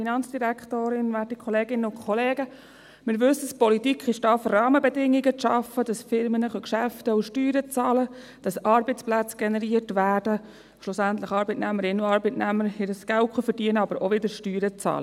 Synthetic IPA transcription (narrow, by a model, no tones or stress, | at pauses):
finɑnt͡sd̥iɾækχtoːɾɪnʋætikʰɔleːɡɪnəʊkʰɔleːɡə | mɪɾʋɵsəspɔlitikχɪʃtɑfrɑːməbɛdɪŋːiɡət͡sʃɑfːəd̥ɑsfɪɾmənəχœkʃæftəʊʃtyːɾət͡sɑːlə | d̥ɑsɑɾbət͡splæt͡sɡ̥ɛnɛɾiətʋæːɾd̥ə | ʃlʊsænt̪ləχɑːɾbɪtnæməɾɪnːuɑːɾbətnæməɾɪɾəsɡ̥ælkχufəɾdiənəɑbəɾʔɔʋɪdəɾʃtyːɾət͡sɑ̰ːlə